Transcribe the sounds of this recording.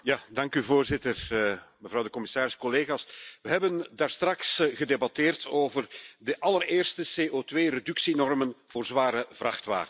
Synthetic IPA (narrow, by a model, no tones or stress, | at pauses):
jaːdɑŋkyvoːrzɪtərməvrɑwdəkɔmɪsaːɾɪskɔleːɣaːsʋəɦɛbəndaːrstrɑksɣədebɑteːrtʰoːvərdəʔɑlərɪːrstəseːʔotʋeːredʏksinɔrmənv̥oːrzʋaːɾəvrɑxtʋa̰ːrən